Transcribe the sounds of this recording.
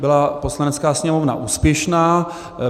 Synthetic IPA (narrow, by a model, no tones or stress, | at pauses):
bɪlaposlanɛt͡skaːsɲɛmovna̰ʔuːspjɛʃnaː